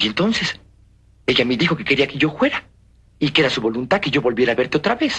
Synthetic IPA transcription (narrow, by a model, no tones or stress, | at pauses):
ent̪o̞nses | e̞ʝameðixo̞keke̞ɾiake̞ʝo̞fwe̞ɾa | ikeeɾasuβo̞lunt̪að̚ke̞ʝo̞βo̞lβje̞ɾaːβe̞ɾt̪eo̞t̪ɾaβe̞s